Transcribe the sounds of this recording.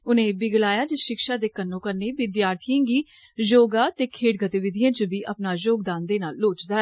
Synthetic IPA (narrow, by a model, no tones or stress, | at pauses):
ʊnẽːbɪɡəlaːjaːd͡ʒəʃɪkʃaːd̪eːkənːõːkəɾneːʋɪd̪jaːɾt̪ʰijãːɡiː | d͡ʒoːɡaːt̪eːkʰeːɽɡət̪iʋɪd̪ijãːt͡ʃəbiːʔəpnaːjoːɡd̪aːnd̪eːnaːlːoːt͡ʃd̪aːɛ